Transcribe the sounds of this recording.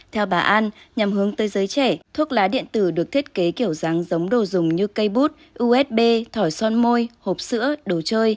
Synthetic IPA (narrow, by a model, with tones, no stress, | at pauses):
t̪ʰɛ˧wɓaː˨˩ʔa˧nɲa˨˩mɦɨ˨˦əŋt̪əː˨˦jzəː˨˦jt͡ɕɛ˧˩t̪ʰu˦˥ət̚laː˨˦ɗḭ˧˨ənt̪ɨ˧˩ɗɨ˨˩ək̚t̪ʰi˦˥t̚ke˨˦ki˧˩əwza˨˦ŋzə˨˦wŋ͡mɗo˨˩zʊ˨˩ŋ͡mɲɨ˧kə˧jɓu˦˥t̚ | ʔu˧ʔɛ˦˥t̚ɓe˧t̪ʰɔ˧˩jsɔ˧nmo˧jho˨˩p̚sɨ̰˧˥əɗo˨˩t͡ɕəː˧j